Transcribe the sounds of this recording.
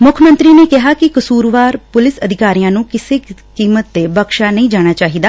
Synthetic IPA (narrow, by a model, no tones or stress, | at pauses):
mʊkʰmə̃nt̪ɾiːneːkɪɦaːkɪkəsuːɾʋaːɾpʊlɪsəd̪ʱɪkaːɾijãːnũːkɪseːkiːmət̪̚ːeːbəkʃaːnəĩːd͡ʒaːɽ̃aːt͡ʃaːɦid̪aː